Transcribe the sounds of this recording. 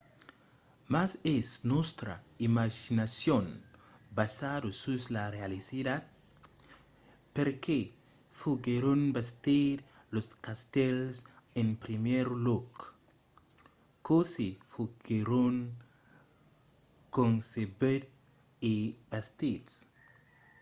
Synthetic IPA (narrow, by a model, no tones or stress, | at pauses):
masesnost̪ɾa̰imaʒinasjonbasad̪osuslarealisidad̪̚ | peɾkʰe | fuɡeɾonbest̪iɾ | loskast̪elsẽnpɾimeɾlok | kosifuɡeɾoŋ | kõŋsebeɾ | ibast̪is